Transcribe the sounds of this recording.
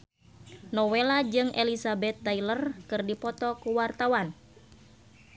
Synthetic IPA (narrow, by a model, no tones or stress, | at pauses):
nɔwelad͡ʒɨŋʔelisabɛt̪ːailərkɨrdipɔt̪ɔkuwart̪awan